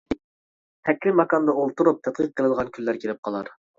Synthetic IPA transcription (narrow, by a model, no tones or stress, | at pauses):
hɛkʲːɪmɑkɑnd̪ɑolˠt̪uɾup̚t̪ʰɛt̪̚qʰəq̚ːəlˠɨd̪əʁɑnkʲʰylːæɾkʲʰeɾɪp̚qʰɑlˠɑɾ